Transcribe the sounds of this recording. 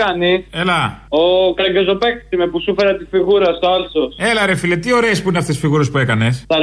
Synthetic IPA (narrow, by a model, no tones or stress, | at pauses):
ɐnielɐokɾɐɟezopeksimepusufeɾɐt̪isfiɣuɾɐst̪oɐlso̞selɐɾefilet̪io̞ɾe̞ːspuineɐft̪esfiɣuɾe̞spue̞kɐne̞sɐ